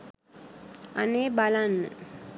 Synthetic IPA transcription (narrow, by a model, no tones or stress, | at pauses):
aneːbalanːə̰